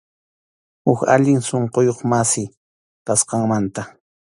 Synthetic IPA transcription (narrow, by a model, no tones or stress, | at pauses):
hʊka̰ʎɪŋsoɴqojoχmasɪ | kasqɑŋmant̪a